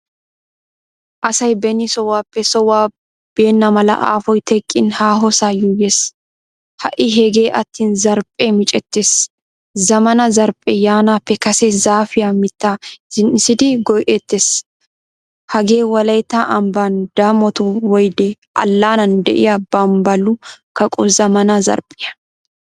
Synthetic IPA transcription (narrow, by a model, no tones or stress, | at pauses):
ʔɐsɐjbɛnisɔwːaːpːɛsɔwaː | b̥e̞ːnːɐmɐlɐ̰ʔa̰ːfɔjt̪ʰɛkʼːɪnhaːɦɔsaːjujeːs | hɐʔɪɦɛɡe̞ːʔɐt̪ːiːnzɐɾpʼːeːmɪt͡ʃʼɛt̪ːeːs | zɐmɐnɐzɐɾpʼːɛjaːnaːpːɛkɐsɛzaːfɪjaːmɪt̪ːasɪnɪsɪd̪iɡɔjʔɛt̪ːes | hɐɡeːwɐlɐjt̪ːaːʔɐmbaːnd̪̥amɔt̪uwɔjd̪ɛ | ʔɐ̰lːaːnɐnd̪ɛʔɪjɐbɐmbɐlukɐkʼɔzɐmɐnɐzɐ̰ɾpʼɪjɐ